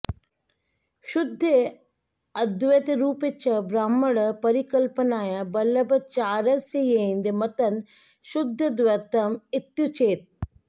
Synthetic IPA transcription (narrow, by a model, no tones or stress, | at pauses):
ʃʊd̪ʱːe | ɐd̪ʋet̪ɾuːpet͡ʃɐbɾaːməɽpɐɾikɐlpənaːjabɐlɐbɐt͡ʃaːɾɐsejeind̪emɐt̪ɐn | ʃʊd̪ʱːəd̪ʋɐɾt̪ɐmɪt̪jut͡ʃʰeːt̪̚